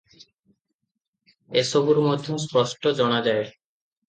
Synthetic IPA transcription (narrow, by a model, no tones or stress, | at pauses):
eʃobuɾmod̪ʱːospɔʃʈʰod͡ʑɔñad͡ʑae